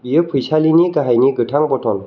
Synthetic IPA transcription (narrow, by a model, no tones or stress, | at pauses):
bijəpʰujsʰaliniɡaɦajniɡɯʈʰaŋbɔtʰɔn